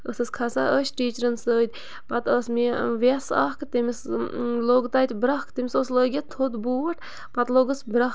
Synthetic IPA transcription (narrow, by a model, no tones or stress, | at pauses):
əsɨskʰɐsa̰ʔəʃʈiːt͡ʃɾənsəːt̪ʲ | pɐt̪əsmiʋʲesa̰hkɨt̪emisloːɡt̪aːt̪ʲbɾɐhkt̪emʲisosləːɡʲit̪ʰod̪buəʈ | pɐt̪loɡəsbɾɐ